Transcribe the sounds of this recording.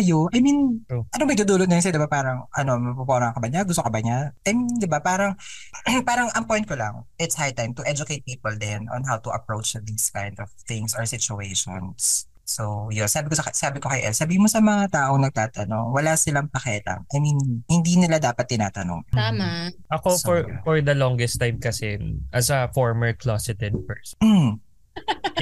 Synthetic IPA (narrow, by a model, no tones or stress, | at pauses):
ʔɐjoʔɐjminʔɐnoŋmɐɡ̚d̪ud̪uːlot̪nɐjns̬jod̪ɪbapaːɾɐŋʔɐno̞mɐpoponɐɐŋkɐbɐɲaɡʊst̪oŋkɐbɐɲaʔɐjmind̪ɪbapaːɾɐŋpaːɾɐŋʔɐŋpojn̚kolɐ̰ŋʔɪt̪shajt̪ajmt̪ʊʔɛd͡ʒʊkejt̪̚piːpɛld̪ɛnʔɔ̰̃nɦawt̪ʊʔɐ̰pɹowt͡ʃd̪iskajnd̪ɔv̥θɪŋsɔɹsɪt͡ʃʊejʃo̰nsː | ojonsaːbɪkosɐsaːbɪkokɐjʔɛ̰lsɐbiːhɪmosɐmɐŋat̪aːʔoŋnɐɡ̚t̪aːt̪ɐno̞̰ŋwɐlasɪlɐŋpɐkɛːlɐ̰ŋʔɐjminhɪnd̪iːnɪlad̪aːpɐt̪̚ːɪna̰ːt̪ɐno̰ŋamaʔɐkofɔɹfɔɹd̪ɐlɔŋɡɛst̪ːajmkɐsɛʔɐsɐfɔɹmɛɹklɔsɪt̪ɛd̪pɛɹsm̩